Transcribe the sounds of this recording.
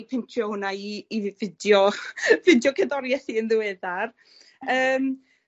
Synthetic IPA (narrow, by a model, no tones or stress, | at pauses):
pʰɪntʰjohʊnaiːvɪdjɔvɪdjɔkʰɛdɔɾjɛθiənðɪwɛðar | əːm